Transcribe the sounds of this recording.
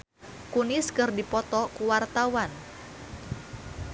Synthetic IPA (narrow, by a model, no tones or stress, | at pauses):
kuniskɨrdipɔt̪ɔkuwart̪awan